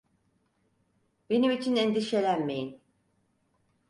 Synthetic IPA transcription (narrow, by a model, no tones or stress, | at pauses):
b̥e̞nimit͡ʃʰinɛnd̪iʃelʲænme̞jin